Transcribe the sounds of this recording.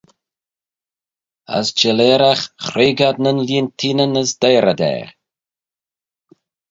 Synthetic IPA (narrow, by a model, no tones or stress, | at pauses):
ə̰sd͡ʒɛleːɾaxxɾeːɡadnənliːntʰiːnənəsd̪eːɾad̪ɛ̰ːɾ